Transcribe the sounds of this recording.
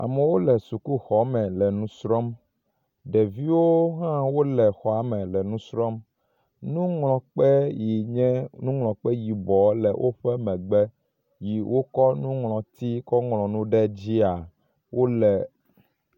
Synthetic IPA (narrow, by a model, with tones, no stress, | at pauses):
a̰˨mɛ̃˨wo˦lɛ˨su˨ku˦xɔ˨˦mɛ̃˨lɛ˨nũ˦sɾɔ˦m | ɖɛ˨vi˦wo˦ɦã˦wo˦lɛ˨xɔ˨a˨mɛ̃˨lɛ˨nũ˦sɾɔ˦m | nũ˦ŋlɔ̃˨k͡pɛ˦ji˨ɲɛ̃˦nũ˦ŋlɔ̃˨k͡pɛ˦ji˨bɔ˨lɛ˨wʔo˦ɸɛ˦mɛ̃˨ɡ͡bɛ˦ | ji˨wʔo˦kɔ˦nũ˦ŋlɔ̃˨t̪i˦kɔ˦ŋlɔ̃˨nũ˦ɖɛ˦d͡ʑi˦a˨ | wo˦lɛ˨